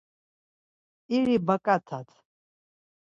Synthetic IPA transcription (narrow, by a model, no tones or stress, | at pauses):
iɾibakʼat̪ʰat̪ʰ